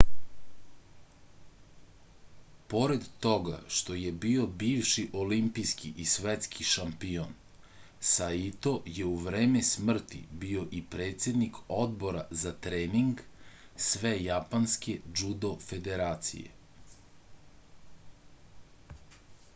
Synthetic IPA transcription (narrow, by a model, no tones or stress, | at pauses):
po̞ɾed̪t̪o̞ɡa̰ʃt̪o̞je̞bio̞biːʋʃiʔo̞limpijskiʔisʋet̪skʰiʃampion | sait̪o̞je̞uʋɾeːmesmr̩t̪ḭbio̞ʔipɾe̞ːt̪se̞d̪nikʰo̞d̪bo̞ɾazat̪ɾeːniŋɡ | sʋe̞japanske̞d͡ʒud̪o̞fe̞d̪e̞ɾaːt̪sḭjḛ